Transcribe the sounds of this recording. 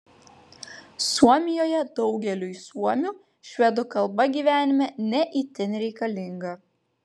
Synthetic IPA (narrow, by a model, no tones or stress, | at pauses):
suɔmʲɪjoːjɛd̪ɒʊɡʲɛlʲuːisuɔmʲuː | ʃʲʋʲɛd̪ʊkɐlˠbɐɡʲiːʋʲæːnʲɪmʲɛnʲɛʔiːt̪ʲɪnɾʲɛɪkɐlʲɪŋɡɐ